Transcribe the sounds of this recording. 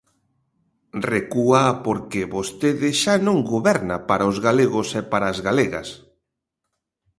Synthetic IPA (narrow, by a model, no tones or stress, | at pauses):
rekuapoɾkɪβost̪eðɪʃanõŋɡoβɛɾna̰paɾaozɣaleɣosepaɾaːzɣaleɣa̰s